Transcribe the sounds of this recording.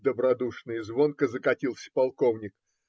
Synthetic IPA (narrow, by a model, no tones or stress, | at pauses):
d̪əbɾɐd̪uʂnɨjzvo̞nkəzəkɐtʲilˠsʲə̥pɐlˠko̞vnʲɪk